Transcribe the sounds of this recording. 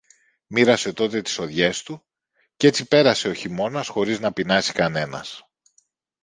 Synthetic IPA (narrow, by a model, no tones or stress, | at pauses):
miɾɐse̞t̪o̞t̪e̞t̪i̥so̞ðʝe̞st̪u | ce̞t͡sipe̞ɾɐse̞o̞çimo̞nɐsxo̞ɾiznɐpinɐsi̥kɐne̞nɐ̰s